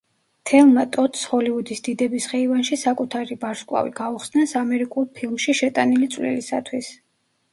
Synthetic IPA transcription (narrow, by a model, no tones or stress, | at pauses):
t̪ʰɛlˠmat̪ʼɔt̪ʰsχɔliud̪isd̪̥id̪ɛbisχɛivanʃisakʼut̪ʰaɾibaɾskʼwˠa̰vḭɡ̥auχsnasamɛɾikʼulˠpʰilˠmʃiʃɛt̪ʼanilit̪sʼvlɛ̰lisa̰t̪ʰwis